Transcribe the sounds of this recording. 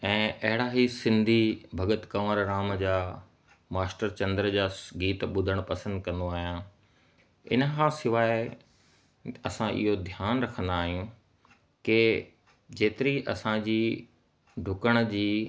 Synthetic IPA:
ɛ̃ːʔɐɦɪɽaɦisɪ̃nd̪ʱibʱɐɡət̪kɐʋəɾɾaːməd͡ʑaː | maːsʈəɾt͡ɕɐ̃nd̪əɾəd͡ʑaːsɡiːt̪ɓʊd̪ʱəɽ̃pɐsə̃nd̪̚kɐ̃nd̪oaːɦijã | ɪ̰nəkãsɪʋaːɪ | ɐsãʔɪ̰ɦod̪ʱjaːnɾɐkʰə̃nd̪aːɦijũ | ke | d͡ʑeːt̪ɪɾiʔɐ̰sãd͡ʑiː | ɖʱʊkəɽ̃əd͡ʑiː

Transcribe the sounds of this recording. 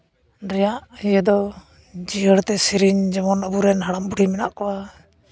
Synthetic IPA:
ɾɛjaʔhijəd̪ɔ | d͡ʒiəɽt̪ɛsiɾiɲd͡ʒɛmɔnəbuɾɛnɦaɽambuɽimɛnaʔkɔa

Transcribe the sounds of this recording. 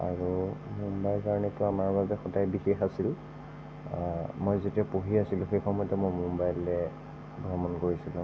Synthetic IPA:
a̰ɹumumbajlkaɹɔnitʊamaɹbabɛxɔdajbixexasil | mojzetiapoɦiasilʊ̃xejxʰɔmɔjtɛmɔjmumbajlɛ | bɹɔmɔnkoɹisilʊ̃

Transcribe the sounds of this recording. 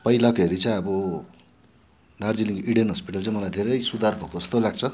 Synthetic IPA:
pʌilakoɦeɾit͡saj̃ʌbʌ | nard͡ziliŋɡiɽenɦʌspiʈalt͡saĩmʌlajd̪ʱeɾʌjsud̪ʱarbʱokoʌst̪olaɡ̚t͡sʰʌ

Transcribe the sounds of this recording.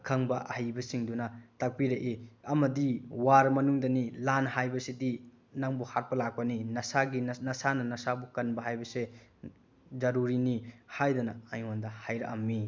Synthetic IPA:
kʰɐŋbɐʔɐhajbɐsiŋdunɐtak̚piɾeʔeɐmɐdiwaɾmɐnuŋdɐnilanhajbɐsidi | naŋbuhat̚pɐlak̚pɐninɐsaɡinnɐsanɐnɐsabukɐnbɐɦajbɐse | zɐɾuɾinihajdɐnɐajŋandɐhajɾɐ̰kɐmːi

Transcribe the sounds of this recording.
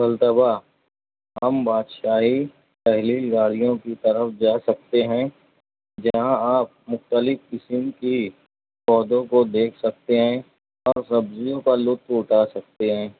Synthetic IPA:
bɐlt̪əba | ɦɐmbaːd̪ʃaːɦi | pɛɦliɡaːɽijõkit̪ɐɾəfd͡ʒaːsɐk̚t̪eɦɛ̃ | d͡ʒɐɦãaːp̚mʊxt̪əlɪfkɪsɪmki | kɔːd̪õkod̪eːkʰsɐk̚t̪eɦɛ̃ | ɔːɾsɐbzijõkalʊt̪ʊʈʰaːsɐk̚t̪eɦɛ̃ː

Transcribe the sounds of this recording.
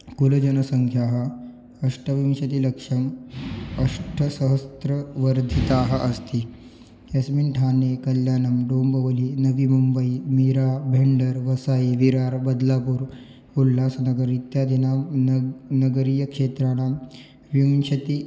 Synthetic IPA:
kulɐd͡ʑɐnəsəŋkʰjaɦə | ɐʂʈʰəʋjunɕɐt̪iləkʂɐm | ɐʂʈʰəsəɦəst̪ɾəʋəɾd̪ʱit̪aɦəʔɐst̪i | ɐsminʈʰanekəljaːnəmɖoːmbəʋliːnəʋimumbəimiɾabʱeɳɖəɾʋɐsaiʋiɾaɾbəd̪lapuːɾ | ulːasnɐɡəɾit̪jad̪ʱina | nəɡəɾijəkʂet̪ɾaɽ̃a | ʋjuŋɕɐt̪i

